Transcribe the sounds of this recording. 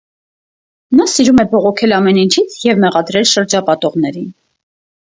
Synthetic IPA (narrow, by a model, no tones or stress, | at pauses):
nɑsiɾumɛbɔʁɔkʰɛlɑmɛnint͡ʃʰit͡sʰjɛvmɛʁɑd̪ɾɛlʃəɾd͡ʒɑpɑt̪ɔʁn̪ɛɾin